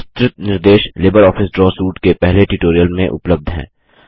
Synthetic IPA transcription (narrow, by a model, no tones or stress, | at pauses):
st̪ɾɪt̪nɪɾd̪eːʃleːbəɾɔːfʰɪsɖɾɔːsuːʈkepɛɦleʈuʈoːɾijəlmẽʔʊ̰pləb̚d̪ʱɦɛ̰̃ː